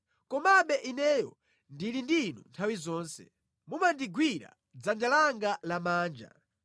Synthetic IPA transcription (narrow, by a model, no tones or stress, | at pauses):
kɔmaɓɛʔinɛːjɔ | ndilindinṵntʰawizɔːnsɛ̰ | mumandiɡwiɾa̰ | d͡zand͡ʒalaŋɡalamaːnd͡ʒa̰